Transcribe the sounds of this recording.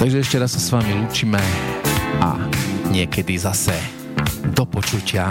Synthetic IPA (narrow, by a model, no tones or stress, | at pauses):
t̪aɡʒɛɛʃcɛɾassːasʋamiluːt͡ʃimɛ | a̰ɲɪɛkɛd̪izasɛ | d̪ɔpɔt͡ʃucɪa